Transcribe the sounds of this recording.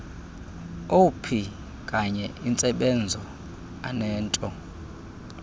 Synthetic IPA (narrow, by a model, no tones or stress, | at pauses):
opʰi | kʼaɲɛint͡sʼɛɓɛnd͡zʱɔ | a̰nɛːntʼɔ